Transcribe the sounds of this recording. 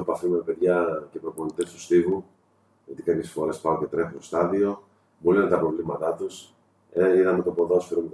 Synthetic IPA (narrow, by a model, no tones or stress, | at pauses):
opɐfimpeðʝɐcepɾopo̞nit̪est̪u̥st̪iɣu | ʝot̪ikɐpçesfo̞ɾe̞spɐoce̞t̪ɾe̞xut̪o̞st̪ɐðio̞ | bolinɐnt̪ɐpɾo̞vlimɐt̪ɐt̪us | eiðɐmet̪o̞po̞ðosfeɾumet̪